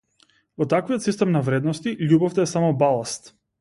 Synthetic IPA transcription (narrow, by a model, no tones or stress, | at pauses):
vɔt̪akvijɔt̪sist̪ɛmnavɾɛd̪nɔst̪iʎʲubɔft̪ɛːsamɔbalˠast̪